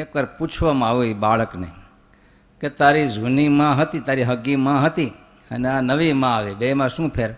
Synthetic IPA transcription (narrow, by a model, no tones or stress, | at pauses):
ekəɾput͡ʃʰʋamãaʋoibaɭəknḛ | ket̪aɾid͡ʒʱunimãɦət̪it̪aɾiɦəɡimãɦət̪i | əneanəʋimãaʋebemãʃũːpʰeɾ